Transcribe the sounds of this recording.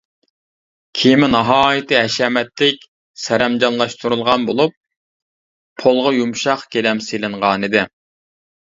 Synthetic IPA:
kʲʰijmɪnɑɦɑːjit̪ɨɦɛʃɛmɛt̪lɪk̚ʲ | sɛɾɛmd͡ʒɑnlˠɑʃt̪ʰuɾulˠʁɑnbolˠup̚ | olˠʁɑjumʃɑqkʲelɛmselɪɴʁɑːnɨd̪ɪ

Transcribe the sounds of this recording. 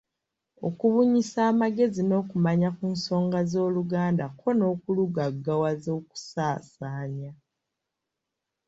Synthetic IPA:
o̞̰kuβuɲisaːmaɡe̞zino̞ːkumaɲakuːnso̞ːŋɡazo̞ːluɡaːndakʰo̞no̞ːkuluɡaɡːawazo̞ːku̥saːsaːɲa

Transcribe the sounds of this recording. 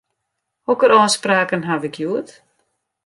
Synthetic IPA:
hɔkəɾɔːspraːkənɦaʋɪkʰjuət

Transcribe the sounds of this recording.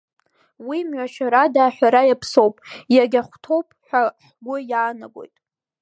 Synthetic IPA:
wimɥʷaʃᶣaɾadaːħʷᶣaɾajapʰso̞wpʼjaɡʲaχʷtʰo̞wpʼħʷᶣaħɡʷʊjaːnaɡʷo̞̰jtʼ

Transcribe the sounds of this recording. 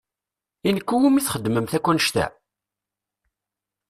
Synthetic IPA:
inəkʷːuwumiθχəd̪ːməmθækʷːænəʃt̪æ̰

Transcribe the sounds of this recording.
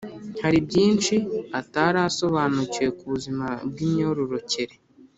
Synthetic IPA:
haɾibɟiːnt͡ʃiataɾaso̞βaːnucie̞kuβuzimab̚ɡiːmɲo̞ɾoɾo̞ce̞ɾe

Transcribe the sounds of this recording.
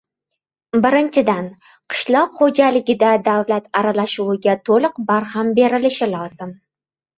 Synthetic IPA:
bɪɾɪnt͡ʃʰɪd̪an | qʰɨ̥ʃlˠɒqχod͡ʒalɪɡʲɪd̪ad̪avlat̪aɾalaʃuwɪɡʲat̪ʰolˠɨqbaɾhambe̞ɾɪlɪʃɪlˠɒz̥ɪm

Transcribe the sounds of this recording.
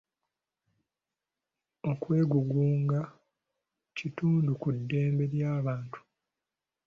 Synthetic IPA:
o̞kwe̞ːɡuɡuːŋɡa | cituːndukudːe̞ːmbe̞ɾjaːβaːntu̥

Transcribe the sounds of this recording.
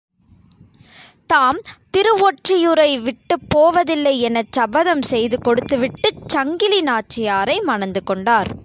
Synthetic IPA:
t̪aːmt̪ɪɾɯʋoːʈrɪjɯɾɐɪʋɪʈːɯpːoːʋɐðɪlːɐɪɛnɐt͡ʃːɐbɐðɐmsɛjðɯkɔɽɯt̪ːɯʋɪʈːɯt͡ʃːɐŋɡɪlinaːt͡ʃːɪjaːɾɐɪmɐɳɐnd̪ɯkːɔɳɖaːɾ

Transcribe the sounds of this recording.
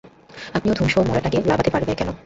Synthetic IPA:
apniod̪ʱumʃoomɔɽeʈakelabat̪epaɾbekɛno

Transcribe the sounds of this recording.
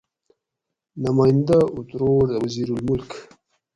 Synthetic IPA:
namajind̪aʔut̪ɾoɾd̪əwaziɾulmʊlk

